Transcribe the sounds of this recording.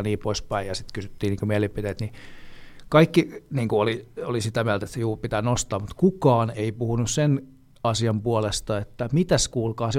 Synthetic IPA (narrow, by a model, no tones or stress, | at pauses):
niːpoispæijɑsit̪kysyt̪ːiːniːŋkomiælipit̪eːt̪ni | kɑikːiniːŋkuoliolisit̪æmiælt̪æet̪sejuːrpit̪ænost̪ɑːmmut̪kukɑːneipuhunussen | ɑsiɑmpuolest̪ɑet̪ːæmit̪æskuːlkɑːse